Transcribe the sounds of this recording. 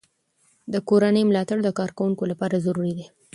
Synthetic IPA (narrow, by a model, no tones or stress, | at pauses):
d̪əkoɾanəjmlɑt̪aɽd̪əkɑɾkawuŋkolapɑɾazaɾuɾid̪i